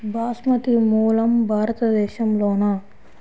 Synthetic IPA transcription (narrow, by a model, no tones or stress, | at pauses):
bʱaːsmɐt̪imuːlɐmbʱaːɾɐt̪ɐd̪ɛːʃɐmloːnɐ